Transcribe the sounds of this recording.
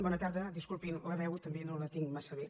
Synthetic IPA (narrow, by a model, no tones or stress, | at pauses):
bɔnət̪aɾðəd̪iskulˠpinləβɛwt̪əmbenolət̪iŋmasəβe